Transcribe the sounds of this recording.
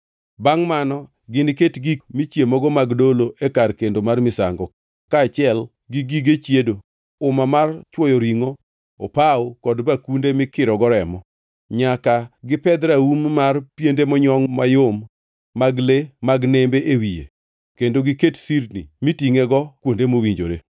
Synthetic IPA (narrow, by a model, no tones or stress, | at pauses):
baŋmanɔ | ɡɪnketɡikmit͡ʃjemɔɡɔmaɡdoloʔekarkendomarmɪsa̰ŋɡɔ | kaːt͡ʃɪɛl | ɡɪɡiɡet͡ʃjedo | ʊmamart͡ʃwɔjoɾiŋo | o̰paokɔdbakundemɪkɪɾɔɡɔɾɛmɔ | ɲakaɡɪpɛd̪ɾaummarpjendemɔɲɔŋmajomː | aɡlemaɡnembeʔewijḛ | kendoɡɪketsirnḭmitiŋeɡɔkwondemowiɲd͡ʒo̰ɾe